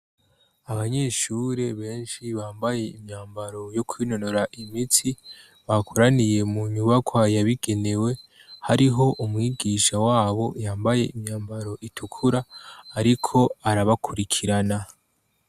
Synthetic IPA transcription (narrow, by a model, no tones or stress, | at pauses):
aβaɲe̞ʃuːɾe̞βe̞ːnʃiβaːmbaje̞imɲaːmbaɾo̞jo̞kʰwino̞no̞ɾaʔimiti | βakʰoɾanije̞muɲuβakʰwajaβiɡ̥e̞ne̞we̞ | haɾiɦo̞ʔumŋiːɡiːʃawaːβo̞jaːmbaje̞ʔimɲaːmbaɾo̞ʔitʰukʰuɾaːɾikʰo̞aɾaβakʰuɾikʰiɾana